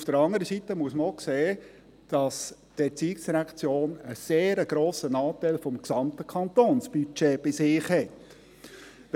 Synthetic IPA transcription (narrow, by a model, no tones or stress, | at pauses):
ufd̥əɾɑŋəɾəsitəmuəsməokseː | d̥ɑsd̥ɛt͡siːksɾækt͡sjoːnəseːɾəɡɾoːsənɑːtæɪlfɔmksɑmt̪əkʰɑnt̪oːnsb̥yt͡ʃeb̥ɪsɪːχhɛt